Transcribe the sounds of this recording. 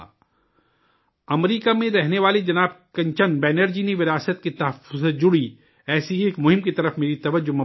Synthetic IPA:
ɐmɾiːkamẽɾɛɦneʋaːled͡ʒɐnaːb̚kɐ̃ɲt͡ʃənbɛːneɾd͡ʒiniʋɪɾaːsət̪̚ket̪ɐɦəfʊzd͡ʒʊɽi | ɛːsieːkmʊɦɪ̃mkit̪ɐɾəfmeːɾit̪ɐʋəd͡ʒʊmɐ

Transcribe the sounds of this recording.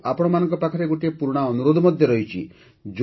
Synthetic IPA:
apɔɽ̃ɔmanɔ̃ŋkɔpakʰɔɾeɡoʈiepuɾuɽ̃aɔnuɾod̪ʱɔmɔd̪ʱjɔɾɔɦjt͡ʃʰḭ | d͡ʒ

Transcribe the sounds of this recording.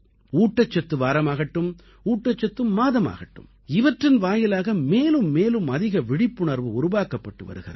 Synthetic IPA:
uːʈːɐt͡ʃːɐt̪ːɯʋaːɾɐmaːɣɐʈːɯm | uːʈːɐt͡ʃːɐt̪ːɯmːaːðɐma̰ːɣɐʈːɯ̰m | ɪʋɐʈrɪnʋaːjɪlaːɣɐmeːlɯmːeːlɯmɐðɪɣɐʋɪɽɪpːʊɳɐɾʋɯʊɾʊʋaːkɐpːɐʈːɯʋɐ̰ɾɯɣɪrɐ̰

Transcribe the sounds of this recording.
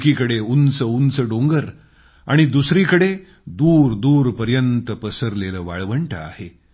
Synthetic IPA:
kikəɽeunt͡səunt͡səɖoŋɡəɾ | aɽ̃id̪usɾikəɽe | d̪uːɾd̪uːɾpəɾjənt̪əpəsəɾleləːʋa̰ɭʋəɳʈʰə̰a̰he

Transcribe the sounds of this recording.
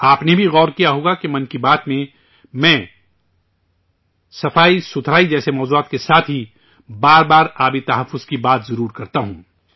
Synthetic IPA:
aːpnebʱiɣɔːɾkijaɦoːɡakemɐ̃nkibaːt̪mẽ | mɛ̃ː | sɐfaːisʊt̪ʰɾaːid͡ʒɛːsemɔːzuaːt̪kesaːt̪ʰɦi | baːɾbaːɾaːbit̪ɐɦəfːʊz̥kibaːt̪zɐɾuːɾkɐɾt̪aɦũː

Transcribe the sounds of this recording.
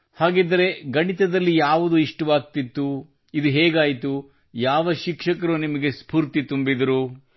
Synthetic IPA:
haːɡed̪ɐɾe̞ɡɐɳit̪ɐd̪ɐlːijaːʋud̪uiʂʈuʋaːk̚t̪it̪ːu | id̪uɦeːɡaːjit̪u | jaːʋɐʃikʂɐkɐɾunimɐɡe̞spuːɾt̪it̪umbid̪ɐɾu

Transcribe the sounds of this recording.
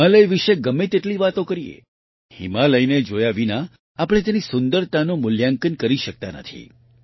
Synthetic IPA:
ə̃ləjʋiʃeɡəmet̪eʈliʋat̪õkəɾijḛ | hḭmaləjned͡ʒojaʋina | apəɽ̃et̪enisʊnd̪əɾt̪anomʊljaŋkənkəɾiʃək̚t̪anə̰t̪ʰḭ

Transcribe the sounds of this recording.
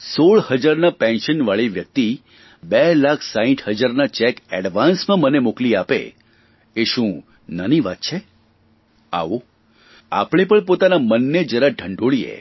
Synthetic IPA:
soɭhəd͡ʒaɾnapɛ̃nʃənʋaɭiʋjək̚t̪i | belakʰsaĩʈhəd͡ʒaɾnat͡ʃɛkɛɽʋansmãmənemokliapḛ | eʃũ | nəniʋat̪̚t͡ʃʰe | a̰ʋo | a̰pɳ̃ipəɳpot̪anamənːed͡ʒəɾaɖʰʱəɳɖoɭiḛ

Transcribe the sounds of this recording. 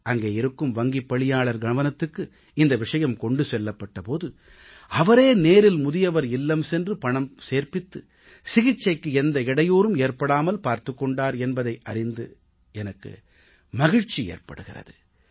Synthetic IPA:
ɐŋɡeːɪɾɯkːɯmʋɐŋɡipːɐɭɪjaːɭɐɾɡɐɳɐʋɐnɐt̪ːɯkːɯ | ɪnd̪ɐʋɪʂɐjɐmkɔɳɖɯsɛlːɐpːɐʈːɐpoːðɯ | ɐʋɐɾeːneːɾɪlmʊðɪjɐʋɐɾɪlːɐmsɛndrɯpɐɳɐmseːɾpɪt̪ːɯ | sɪɣɪt͡ʃːɐɪkːɯɛnd̪ɐɪɽɐjoːɾɯmeːɾpɐɽaːmɐlpaːɾt̪ɯkːɔɳɖaːɾɛnbɐðɐɪʔɐɾɪnd̪ɯ | ɛnɐkːɯ̰ | mɐɣɪɻt͡ʃːiḛːɾpɐ̰ɽɯɣɪrɐ̰ðɯ

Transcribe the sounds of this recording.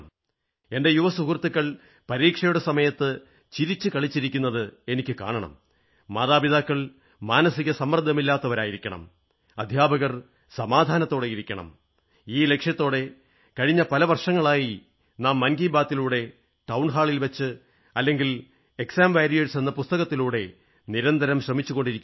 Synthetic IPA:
e̞nde̞juʋɐsukurt̪ːukːɐɭ | pɐɾiːkʂɐjuɽesɐmɐjɐt̪ːɨ | t͡ɕiɾit͡ɕːɨkɐɭit͡ɕːiɾikʲːunːɐðɨe̞nikʲːɨka̰ːɳɐɳɐ̰mː | aːðaːbiðaːkːɐɭ | maːnɐsiɣɐsɐmːɐrd̪ʱːɐmilːaːt̪ːɐʋɐɾaːjiɾikʲːɐɳɐ̰m | ɐd̪ʱjaːbɐɣɐr | sɐmaːd̪ʱaːnɐt̪ːo̞ːɽejiɾikʲːɐɳɐ̰m | iːle̞kʂjɐt̪ːo̞ːɽe̞ | kɐɻiɲːɐpɐlɐʋɐrʂɐŋːɐɭaːji | naːmːɐnɡiːbaːt̪ːiluːɽe̞ | ʈɐwɳɦaːɭilʋɐt͡ɕːɨ | ɐlːe̞ŋɡil | e̞ksaːmʋaːɾijeɻsenːɐpust̪ɐɣɐt̪ːiluːɽe̞ | niɾɐnd̪ʱɐɾɐmɕrɐmit͡ɕːuɣo̞ɳɖiɾikʲː

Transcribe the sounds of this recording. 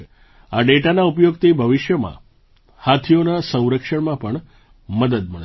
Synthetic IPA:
aɖeʈanaupjoɡt̪ebʱəʋɪʃjəmã̰ | hat̪ʰijonasə̃w̃ɾəkʂəɳmãpəɳ | məd̪əd̪məɭ

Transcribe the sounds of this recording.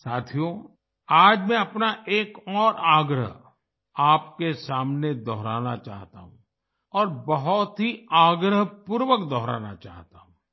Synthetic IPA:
saːt̪ʰijõ | aːd͡ʒmɛ̃ɐpnaʔeːkɔːɾaːɡɾə̰ɦ | aːp̚kesaːmned̪ɔːɾaːnat͡ʃa̰ːɦt̪a̰ɦṵ̃ | ɔːɾbɐɦʊt̪ɦiaːɡɾəɦpuːɾwəkd̪ɔːɾa̰ːna̰t͡ʃa̰ːɦt̪aɦũː

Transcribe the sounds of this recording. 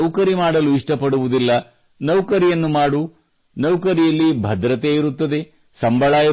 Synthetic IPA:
kɐɾimaːɽɐluiʂʈɐpɐɽuʋud̪ilːɐ | nɐʋkɐɾijɐnːumaːɽu | nɐwkɐɾijɐlːibʱɐd̪ɾɐt̪eiɾut̪ːɐd̪e̞ | sɐmbʱɐɭaːjɐ

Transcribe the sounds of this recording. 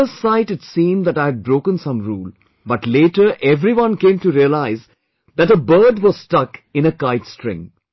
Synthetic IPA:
əsaɪʈɨtsĩːmd̪æʈaɪɨd̚bɾoːkə̃nsʌ̃mɾuːl | bʌʈleːʈəɾʔɛvɾiwʌ̃nkẽːmʈuɾiəlaɪz | ðæʈəbəːdwɔz̥stʌkɨ̃nəkaɪtstɹɪ̰̃ŋ

